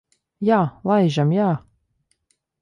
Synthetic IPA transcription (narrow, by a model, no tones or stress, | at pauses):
jaːlˠajʒamjaː